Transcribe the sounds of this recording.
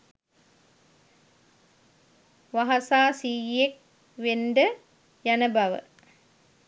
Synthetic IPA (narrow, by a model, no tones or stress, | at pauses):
ʋaɦasaːsiːek̚ | ʋenɖə | jænəbaʋə̰